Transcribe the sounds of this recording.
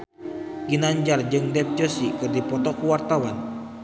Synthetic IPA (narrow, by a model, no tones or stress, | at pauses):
ɡinaɲd͡ʒard͡ʒɨŋdɛp̚d͡ʒɔsikɨrdipɔt̪ɔkuwart̪awan